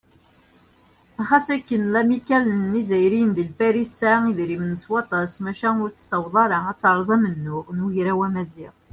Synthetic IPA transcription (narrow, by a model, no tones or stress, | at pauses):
æχæsækːənlæmikːælənːizæjɾind̪əlpæɾiθsaiðɾimnəswɑt̪ˤɑsmæʃæʊɾθə̥səwðˤɑɾɑæt͡sːʕɾˤzˤæmənːʊʁnʝɾæwæmæziʁ